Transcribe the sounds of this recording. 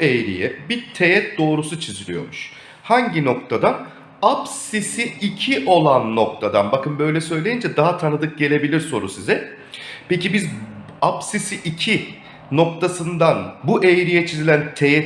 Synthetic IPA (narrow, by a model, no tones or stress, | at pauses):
ejɾḭjɛbiɾt̪ʰejɛt̪̚d̪o̞ːɾusut͡ʃʰizilʲijo̞̰ɾmuʃ | haɲɟino̞k̚t̪ʰad̪an | apssisiicʰiʔo̞lˠanːok̚t̪ʰad̪anbakɯnbø̞jlʲɛsø̞jlʲe̞jind͡ʒɛd̪aɦat̪ʰanɯd̪ɯk̚ɟe̞lʲe̞bilʲiɾso̞̰ɾṵsizɛ | pecibiz | apsisiʔicʰi | no̞kt̪ʰasɯnd̪anbuʔejɾijɛt͡ʃʰizilʲænt̪ʰejɛ